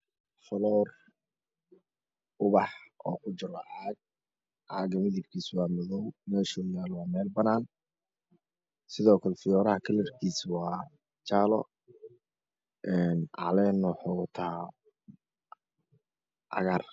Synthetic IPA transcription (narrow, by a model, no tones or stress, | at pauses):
fɐlɔːr | ʊβɑħʔɔ̰ːkʰʊt͡ʃɪɾɔʕɑːɡ̚ | ʕɑːɡɐmɪðɪbkʰiːswɑːmɔðɔwmɛːʃɔjaːlwɑːmɛːlbɐnaːn | sɪðɔːkʰɐlɛfɪjɔːɾɐhɐkʰɐlɛrkʰiːswɑː | t͡ʃaːlɔ̰ | ɛːnʔɑ̰lɛːnːɔħɔt̪ʰa | ʕɑ̰ɣaːr